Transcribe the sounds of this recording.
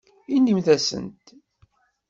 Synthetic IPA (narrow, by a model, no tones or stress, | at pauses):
inːimθæsə̰nt̪